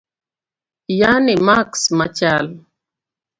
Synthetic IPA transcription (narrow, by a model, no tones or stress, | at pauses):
janimaksmat͡ʃal